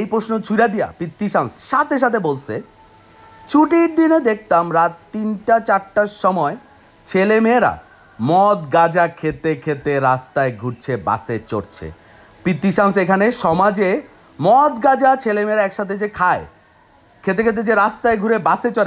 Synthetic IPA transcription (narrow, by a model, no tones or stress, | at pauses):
ejpɾoʃnot͡ɕʰujɾad̪ija̰pɾit̪ːiʃamsʃat̪ʰeʃ̬at̪ʰebolt͡ɕʰe | t͡ɕʰuʈiɾd̪inod̪ek̚ʰt̪amɾat̪ːinʈat͡ɕaɾʈaʃɔmɔe | t͡ɕʰelemeɾa̰ | mɔt̪ɡad͡ʑakʰet̪ekʰet̪eɾast̪aeɡʱuɾt͡ɕʰeba̰set͡ɕoɾt͡ɕʰḛ | pɾit̪ːiʃamsekʰaneʃɔmad͡ʑe | mɔt̪ɡad͡ʑat͡ɕʰelemeɾaɛkʃat̪ʰed͡ʑekʰae | kʰet̪̬ekʰet̪̬ed͡ʑeɾast̪aeɡʱuɾebaset͡ɕoɾe